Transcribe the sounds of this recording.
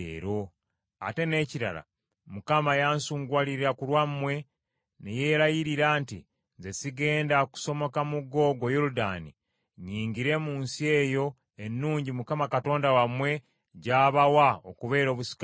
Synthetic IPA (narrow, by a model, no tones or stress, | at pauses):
ḛɾo̞ | a̰te̞ne̞ːciɾa̰ɾa̰ | mukamajaːnsuːŋɡwaliɾiɾakulwamwe̞ | neje̞ːɾajiɾiɾaːntḭ | nze̞siɡe̞ːndaku̥so̞mo̞kamuɡo̞ːɡo̞joɾuda̰ːni | ɲiːŋɡiɾe̞ːmuːnsie̞ːjo̞ | enːuːɲɟimukamakato̞ːndawamwe̞ | ɟaːβawaokuβe̞ːɾo̞ːβusi̥ka